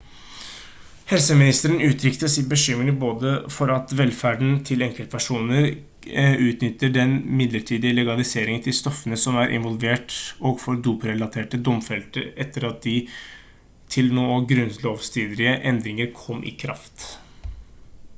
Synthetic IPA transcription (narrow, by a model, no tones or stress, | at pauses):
hɛlsəmɪnɪst̪əɾənʉːt̪ʰɾʏkt̪əsɪt̪̚bəʃʏmːɾɪŋboːd̪əfɔɾɑt̪ʋɛlfæɖɳ̩t̪ʰɪlɛŋkəlt̪pʰæʂuːnəɾ | ʉːt̪nʏt̪ːəɖɛnmɪd̪ləʈʰiːd̪ɪəlɛɡɑlɪseːɾɪŋənt̪ʰɪlst̪ɔfːənəsɔmæɾʔɪ̰nʋɔlʋeːʈɔɡfɔɾd̪uːpɾɛlɑt̪ʰeːʈəd̪ɔmfɛlt̪əɾɛt̪ːəɾɑt̪̚d̪ɪ | t̪ʰɪlnoːəɡɾʉnloːʋst̪ʰiːd̪ɾɪəʔɛnd̪ɾɪŋəɾkʰɔmːʔɪ̰kʰɾɑ̰ft̪